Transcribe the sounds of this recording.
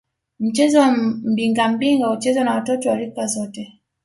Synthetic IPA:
m̩t͡ʃɛzɔm̩biŋɡam̩biŋɡaut͡ʃɛzɔnawatɔtɔwalikazɔtɛ

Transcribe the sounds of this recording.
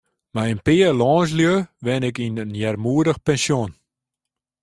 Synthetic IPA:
maənpɪəlɔːns̬ljøʋɛnɪkinənjɛrmuːədəxpɛnsjon

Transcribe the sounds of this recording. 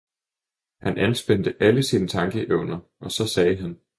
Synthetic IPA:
hænʔænsb̥end̥əʔæləsiːnət͡sʰɑ̈ŋɡ̥əʔeʊ̰nɐ | ʔɒ̽sɒ̽sɛːɦæn

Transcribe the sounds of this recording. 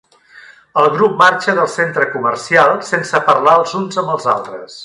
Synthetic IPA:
əlˠɣɾup̚maɾt͡ʃəðəlˠsent̪ɾəkumərsialˠsensəpəɾlaəlˠzunzəmbəlˠza̰lˠt̪ɾəs

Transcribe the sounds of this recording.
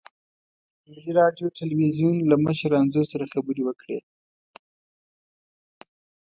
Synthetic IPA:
mɡiɾɑɖjoʈɪlwizjunlaməʃɾanzosaɾaxabəɾewəkɽḛ

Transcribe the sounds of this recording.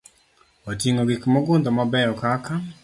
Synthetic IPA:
otiŋoɡɪkmɔɡʊnd̪ɔmabɛjɔkaka

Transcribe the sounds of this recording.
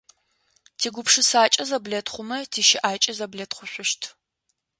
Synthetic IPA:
tʰiːɡʷʊpʂɨsaːt͡ʃʼɐzɐblɐtʰχʷʊmɐtʰiːʃɪʔaːt͡ʃʼɐzɐblɐtχʷʊɕʷʊʃtʰ

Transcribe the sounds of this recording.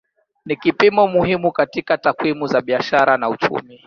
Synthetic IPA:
nikipimɔmuhimukatikatakwimuzaɓiaʃaɾanaut͡ʃṵmi

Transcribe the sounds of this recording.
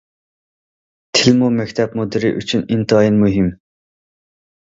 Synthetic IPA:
t̪ʰɪlmumɛkʲt̪ʰɛpmod̪ɨɾiʔy̰t͡ʃʰynint̪ɑjinmuɦim

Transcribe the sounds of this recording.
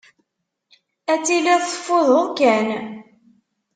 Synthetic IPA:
æt͡sːilːæðθə̥fːoðˤəðkæn

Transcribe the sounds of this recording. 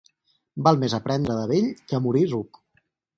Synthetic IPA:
balˠmezəpɾɛnd̪ɾəðəβeʎkəmuɾiruk

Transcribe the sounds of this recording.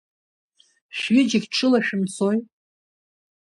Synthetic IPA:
ʃɥɪd͡ʒɪɡʲʈ͡ʂʰɨlaʃᶣɪmsoj

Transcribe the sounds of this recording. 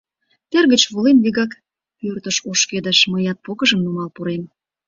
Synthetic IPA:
t̪erɣət͡ɕβolenβiɣɑk | pørt̪ə̆ʃoʃked̪ə̆ʃməjɑt̪̚pokə̆ʒəmnumɑlpuɾem

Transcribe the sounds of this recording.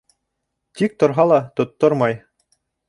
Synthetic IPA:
t̪ik̚t̪ŏɾɦɑlˠɑt̪ŏt̪ːoɾmɑj

